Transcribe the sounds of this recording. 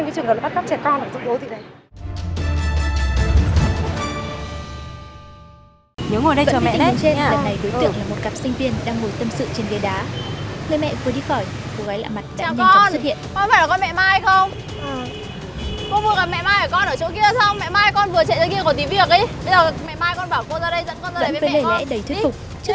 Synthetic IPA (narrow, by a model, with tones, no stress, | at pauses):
ŋki˨˦t͡ɕɨ˨˩əŋə˨˩˨a˦˥a˦˥p̚t͡ɕɛ˨˩aː˧nː˨˩zʊ̰˧˦ŋ͡mɗo˨˦t̪ʰi˨na˨˩j | ɲə˨˦ŋo˨˩jɗə˧jvə˧ɔ˧˨˧ɛ̰˧˨˧t͡ɕe˧aː˨˩na˨˩jɗo˨˦t̪ɨ̰˧˨ŋlaː˨˩mo˨˩t̚kaː˨˩p̚sï˧ŋvi˧ənɗaː˧ŋmo˨˩jt̪ə˧msɨ̰˧˨ŋt͡ɕe˧nɡe˨˦ɗaː˨˦mɨ˧˨mɛ̰˧˨vu˧˩əɗi˧xɔ˧˩j | ko˨˩ɣaː˨˦jla̰ː˧˨ma˨˩t̚ɗa̰˨a˥˧wɔ˨˧nst̚hḭ˧˨ənkɔ˧faː˧˩la˨˩kɔ˧nmɛ̰˧˨maː˧jxə˧wŋ͡m | kɔ˧vu˧˩əka˨˩mɛ̰˧˨maː˧jʔəː˧˩kɔ˧nʔəː˧˩t͡ɕo˨˦ki˧əsa˧wŋ͡mmɛ̰˧˨maː˧jkɔ˧nvɨ˨˩ət͡ɕɛ̰˧˨zəː˧˩ki˧kɔ˧˩t̪i˨˦vi˨˩ək̚ʔi˨˦ɓə˧jzəː˨˩mɛ̰˧˨maː˧jkɔ˧nɓaː˧˩wko˧zaː˧ɗə˧jzə̰˧˥nkɔ˧nzaː˧və̰ː˧˨˦və˨˧˦e˧˩lɛ̰˧˥ɗə˧˩jt̪ʰi˦˥k̪̚fʊ˨˩k͡p̚ | t͡ɕ